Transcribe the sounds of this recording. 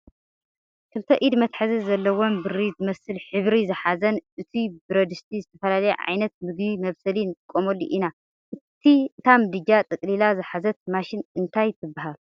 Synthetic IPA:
kʰɨlt̪ʰɐʔid̪mɐt̪ħazɐzɐlːɐwo̞mbɨɾizɨmɐsɨlħɨβɾizɨħazɐnʔɨt̪ʰibɨɾɐd̪ɨst̪ʰizɨt̪ʰɐfɐlalɐjeʕa̰jnɐt̪̚mɨɡbimɐβsɐlinɨt̪ʼɨkʼːomolːiʔina | ʔɨt̪ʰit̪ʰamɨd̪ɨɡat̪ʼɨkʼlilazɨħazɐt̪̚maʃɪnɨnt̪ʰajt̪ʰɨbːaɦalu

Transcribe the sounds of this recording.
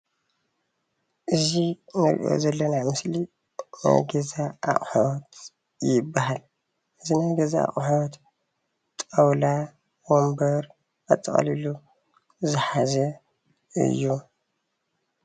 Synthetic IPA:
ʔɨzinɨɾʔo̰zɐlːɐnamɨsli | na̰ɡɐzaʔːχʼħowt̪ | jɪbːaɦal | ʔɨzinajɡɐzaa̰χʼħot̪ | t̪ʼɐwla | wombɐɾ | ʔat̪ʼːɐχʼɐ̰lilu | zɨħazɐ | ɨ̰jːu

